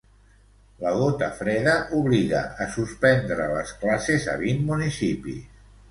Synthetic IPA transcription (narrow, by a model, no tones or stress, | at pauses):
ləɣot̪əfɾɛðəʔuβliɣə̰ʔːsuspɛnd̪ɾələsklasezə̰βinmunisipḭ